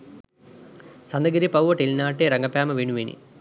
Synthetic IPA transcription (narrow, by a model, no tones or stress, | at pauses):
sɐnd̪ɐɡɐɾipɐwʋɐʈilnaːʈːeɾɐŋɡɐpjaːmɐʋiɳuʋeːnḭ